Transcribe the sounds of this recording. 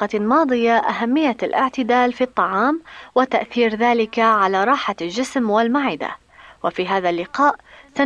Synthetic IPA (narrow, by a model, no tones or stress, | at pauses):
ɑmɑːd̪ˤɨjaʔa̰ɦamːɪjːalʔɪ̰ʕt̪ɪd̪aːlfit̪ˤːɑʕɑːmwɪt̪aʔθiːɾðaːlɪkaʕalaːɾˤɑːħalʒɪsmwalmaʕɪd̪a̰ | wafiːɦaːðalːɪqɑːʔsa